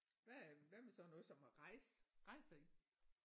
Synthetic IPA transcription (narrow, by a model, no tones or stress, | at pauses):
ʋæʋæɐmesɒ̽nɔ̽ːðˠsɒ̽mhɑ̈ʁɑɪsʁɑ̈ɪ̰sɑ̈i